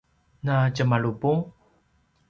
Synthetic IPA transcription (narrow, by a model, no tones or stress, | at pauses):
nacəmaɭubuŋ